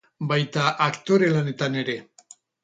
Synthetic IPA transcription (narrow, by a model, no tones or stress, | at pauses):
bajt̪aʔakt̪o̞ɾe̞lane̞t̪ane̞ɾe̞